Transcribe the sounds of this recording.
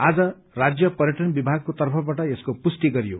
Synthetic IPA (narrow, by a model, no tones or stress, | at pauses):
ad͡zʌ | rad͡zjʌpʌɾjʌʈʌnbibʱaɡ̚kot̪ʌrpʰʌbaʈʌeskopusʈ̪iɡʌɾijo̰